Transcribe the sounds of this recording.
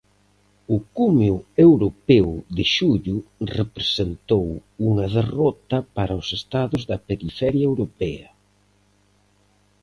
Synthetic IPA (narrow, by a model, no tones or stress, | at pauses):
ʊkumeʊewɾopɛwðɪʃuʎʊrepɾesent̪owuŋɐðerɔt̪ɐpaɾɐʊsest̪aðʊzðɐpeɾifɛɾjɐewɾopɛɐ